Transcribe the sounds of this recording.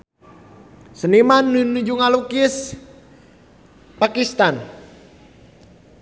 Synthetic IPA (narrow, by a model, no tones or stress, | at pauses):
sənimanːunuɲd͡ʒuŋalukɪs | pakist̪an